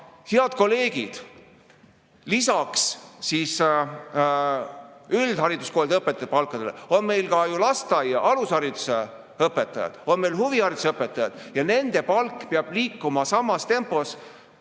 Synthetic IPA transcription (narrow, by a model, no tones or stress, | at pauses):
heɑd̪̥̚ko̞le̞ːɡ̥id̪̥ | lisɑkssiːs | yld̪̥ɦɑɾid̪̥usko̞ːld̪ɤpːet̪ːˑɑj̥̪̚pɑlkˑːɑd̪̥e̞lḛo̞nme̞jlkɑjulɑst̪ɑjɑʔɑlushɑɾid̪use | ɤpːˑe̞t̪ːˑɑjɑ̰d̪̥o̞nme̞jlhuvihɑɾid̪u̥sɤpːˑe̞t̪ːˑɑjɑ̰d̪̥jɑne̞nd̪̥e̞pɑlkːpeɑb̥liːkːumɑsɑmːɑst̪e̞mpo̞s